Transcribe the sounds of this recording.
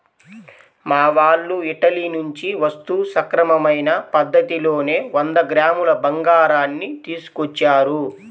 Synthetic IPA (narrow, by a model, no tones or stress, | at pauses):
maːʋaːɭːuiʈɐlinuɲt͡ʃiʋɐst̪usɐkɾɐmɐmɐjnɐpɐd̪ːɐt̪ilo̞ːne̞ːʋɐnd̪ɐɡɾaːmulɐbɐŋɡaːɾaːnːit̪iːsu̥kɔt͡ʃːaːɾu